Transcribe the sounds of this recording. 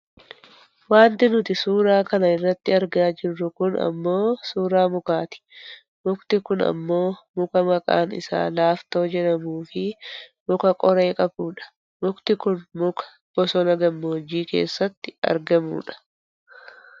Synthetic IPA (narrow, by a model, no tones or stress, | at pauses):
waːnt̪ɪnʊt̪ɪsuːɾaːkɐnɐɪrːɐt̪ːɪɐɾɡaːd͡ʒɪrːʊkʊnɐ̰mːo̞ːsuːɾaːmʊkaːt̪ɪ̥ | mʊkt̪ɪkʊnɐ̰mːo̞ːmʊkɐmɐkʼa̰ːnɪ̰sa̰ːlaːft̪o̞ːd͡ʒɛnɐmuːfɪmʊkɐkʼɔɾe̞ːkʼɐbuːᶑɐ̥ | mʊkt̪ɪkʊnmʊkɐ̥ | b̥ɔsɔnɐɡɐmːoːd͡ʒiːke̞̰ːsːɐt̪ːɪɐ̰ɾɡɐmṵːᶑɐ̥